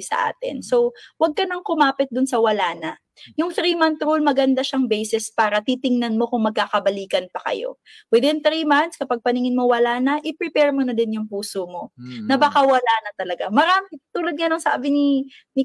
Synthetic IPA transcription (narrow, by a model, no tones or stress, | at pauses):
sɐ̰ʔa̰ːt̪ɪ̰nso̞wɐɡ̚kɐnɐŋkʊmaːpɪt̪̚d̪ʊnsɐwɐlaːnɐ | jʊŋθɾiːmant̪ɾulmɐɡɐnd̪aʃaŋbɛjsɛspaːɾɐt̪it̪ɪŋnɐnmo̞kʊŋmɐɡ̚kakɐbɐliːkɐnpɐkɐ̰jo̞̰ | wɪd̪ɪnθɾimant̪skɐpaɡ̚pɐnɪŋɪnmowɐlaːnɐʔɪpɾɪpɛɹmonɐd̪ɪnjʊŋpuːsomo̞nɐbɐkawɐlaːnɐt̪ɐlɐɡamɐɾaːmɪt̪uːlɐd̪̚ŋɐnɐŋsa̰ːbɪni | nɪ